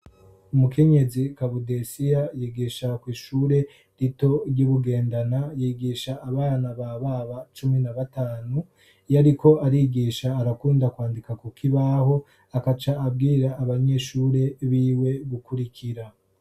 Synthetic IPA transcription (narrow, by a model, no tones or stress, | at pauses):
umukʰe̞ɲe̞zikaβudesijajiːɡiʃakwiːʃuːɾe̞ | ɾito̞ɾɟuβuɡe̞ːndanajiːɡiʃaːβaːjanaβaβaβat͡ʃuminaβataːnu | jaɾikʰo̞aɾiɡiːʃaːɾakuːndakwaːndikakukʰiβaho̞ | akat͡ʃaːb̚ɡiːɾaːβaɲe̞ʃuːɾe̞βiːwe̞βukuɾikʰiɾa